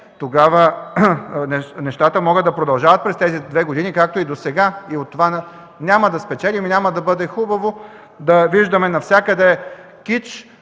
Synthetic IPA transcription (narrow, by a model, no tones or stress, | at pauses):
t̪oɡavə | nɛnɛʃt̪at̪əmɔɡəd̪ɐpɾod̪ɐlˠʒavɐt̪̚pɾɛst̪ɛzid̪vɛɡod̪inikak̚t̪oid̪osɛɡaiot̪ːova | nʲaməd̪ɐspɛt͡ʃɛlʲiminʲaməd̪ɐbɤd̪ɛxubɐvo | d̪ɐviʒd̪ɐmɛnɐfsʲjakɐd̪ɛ | kit͡ʃ